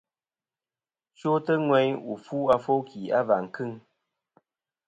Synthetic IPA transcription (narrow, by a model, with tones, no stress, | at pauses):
t͡ʃo˦tə˦ŋwɛ˦ɲu˨fu˦a˦fo˦kʰi˨a˦va˨ŋ̩˨kɨ˦˨ŋ